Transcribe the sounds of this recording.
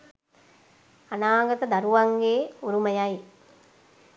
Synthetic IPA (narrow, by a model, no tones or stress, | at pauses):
anaːɡɐt̪əd̪aɾuʋaŋɡeːuɾuməjaj